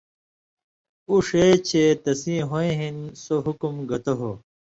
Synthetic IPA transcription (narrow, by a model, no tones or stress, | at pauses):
uʂeːt͡ɕʰet̪ɐsĩɦõẽɦinsoɦukumɡɐt̪oɦo